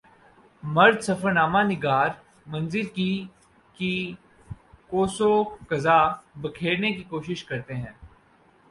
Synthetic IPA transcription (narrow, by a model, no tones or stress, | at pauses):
mɐɾd̪sɐfəɾnaːmanɪɡaːɾ | mɐ̃nzɪlki | ki | koːsokɐzabɐkʰeːɾnekikoːʃɪʃkɐɾt̪eɦɛ̃ː